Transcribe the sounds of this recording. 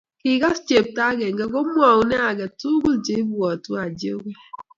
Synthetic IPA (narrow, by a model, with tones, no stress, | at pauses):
ki˨ɡa˦st͡ʃe˨p̚ta˦ɡe˨ŋ̩˨ɡe˨ɡo˦mʷ˦a˨u˨˦ne˦a˨ɡe˨tu˦ɡu˦ld͡ʒe˦i˦bu˦˨ɔ˨tu˦a˨d͡ʒi˦o˦kʷe˦